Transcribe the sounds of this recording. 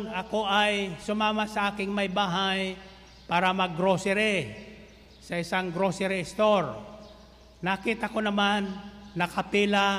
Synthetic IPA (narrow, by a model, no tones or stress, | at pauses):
nɐkoajsʊmaːmasɐʔaːkɪŋmɐjbaːɦaj | paːɾɐmɐɡɾosɛɾɪ | sɐɪsaŋɡɾosɛɾɪɪst̪oɾ | nɐkit̪ɐkonɐmanːɐkɐpila